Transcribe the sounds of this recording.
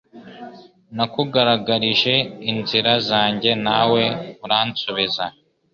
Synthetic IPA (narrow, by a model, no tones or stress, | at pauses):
nakuɡaɾaɡaɾiʒe̞inziɾazaːɲɟe̞nawe̞uɾaːnt͡suβiza